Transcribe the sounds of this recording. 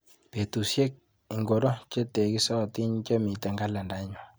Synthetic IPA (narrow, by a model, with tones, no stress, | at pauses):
pe˨t̪u˨sje˦k̚ | i˨ŋɡɔ˨ɾɔ˦t͡ʃe˦t̪e˨ki˦sɔ˦˨t̪i˦ɲt͡ʃə˦mi˨t̪a˨ŋɡa˦la˨nda˨˦ɲwa˨